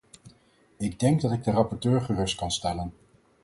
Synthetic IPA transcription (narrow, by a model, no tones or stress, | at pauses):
ɪɡ̚dɛŋɡ̚dɑtɪɡ̚dərɑpɔɹtøːɹχərɵst̚kɑnstɛlən